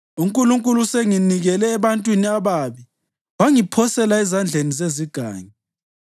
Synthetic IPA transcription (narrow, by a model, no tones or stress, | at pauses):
uŋkʼuluŋkʼuluseŋiniɣɛlɛːβantʼwiniaβaβi | waŋipʰɔsɛlaɛzand͡ɮʱenizeziɡ̥ʱa̰ːɲi